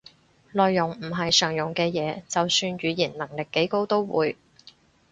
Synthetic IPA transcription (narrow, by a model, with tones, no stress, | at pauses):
lɔː˨jːʊ˨˩ŋm̩˨˩ɦɐ˨jsœː˨˩ŋjʊ˨˩ŋkɛː˧jɛː˨˧t͡sɐ˨wsyː˧nɥyː˨˧jiː˨˩nnɐ˨˩ŋlɪ˨kːe˨˥jko˥wt̪o˥wwṵː˨˧j